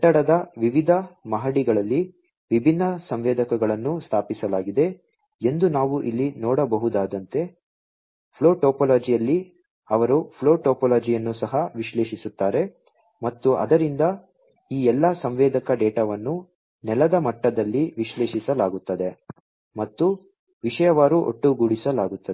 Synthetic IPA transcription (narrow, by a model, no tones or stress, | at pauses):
ʈːɐɽɐd̪ɐʋiʋid̪ʱɐmɐɦɐɽiɡɐɭɐlːi | ʋibʱinːɐsɐmʋɛːd̪ɐkɐɡɐɭɐnːust̪ʰaːpisɐlaːɡid̪e̞ | end̪unaːʋuʔilːinɔːɽɐbɐɦud̪aːd̪ɐnt̪e̞ | pʰloːʈoːpɐlaːd͡ʒijɐlːi | ɐʋɐɾupʰloːʈoːpɐlaːd͡ʒijɐnːusɐɦɐʋiʃleːʃisut̪ːaːɾe̞ | mɐt̪ːuʔɐ̰d̪ɐɾind̪ɐ | iːɛlːɐsɐmʋɛːd̪ɐkɐɖɛːʈaʋɐnːu | nɛlɐd̪ɐmɐʈːɐd̪ɐlːiʋiʃleːʃisɐlaːɡut̪ːɐd̪e̞ | mɐt̪ːu | ʋiʂɐjɐʋaːɾuʔo̰ʈːuɡuɽisɐlaːɡut̪ːɐe